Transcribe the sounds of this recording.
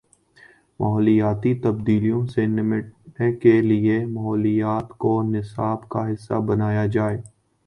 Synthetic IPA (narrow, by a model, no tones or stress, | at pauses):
mʔɐɦɔːlijaːt̪it̪ɐb̚d̪iːlijõsenɪmɪʈnekeliemɐɦɔːlijaːt̪konɪsaːbkaɦɪsːa̰bɐnaːjad͡ʒaːeː